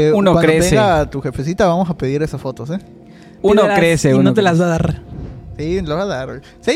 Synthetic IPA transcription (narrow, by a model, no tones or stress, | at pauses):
unowankɾeot̪seɡat̪uxe̞fes̬it̪aβamo̞sape̞ðiɾe̞sasfo̞t̪o̞se | unolkɾesenot̪elazβaaðaɾsiloβaðaɾ | se